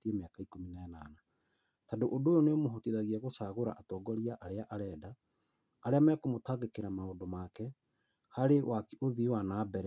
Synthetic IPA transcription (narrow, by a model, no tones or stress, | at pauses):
tiemeakaikominanana | tadoʔodojɔneomoɦɔtiðaɣiɛɣosaːɣoɾa̰ʔatɔːɡɔɾiaʔaɾeaʔaɾɛːdaː | ɾeamɛkomotaːɣekeɾamaodomaːkɛ | haɾewʔakiʔoðiwanaːbɛɾɛ